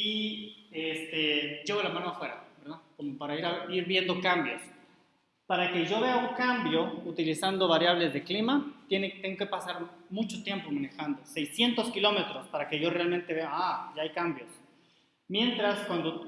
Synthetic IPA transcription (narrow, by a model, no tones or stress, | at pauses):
i | est̪e̞ɟ͡ʝe̞ɣo̞lamãnoafwe̞ɾa̰be̞ɾðaðko̞mopaɾaiɾaβiɾβje̞nd̪okambjo̞̰s | paɾake̞ʝo̞βe̞auŋkambjo̞ut̪ilisand̪o̞βaɾjaβle̞zðe̞klimat̪enet̪eŋɡo̞ke̞pasaɾmut͡ʃo̞t̪je̞mpo̞mane̞xand̪o̞se̞jsje̞nt̪o̞skilo̞me̞t̪ɾo̞spaɾake̞ʝo̞realmẽnt̪e̞βe̞aaʝaajkambjo̞s | mje̞nt̪ɾaskwand̪o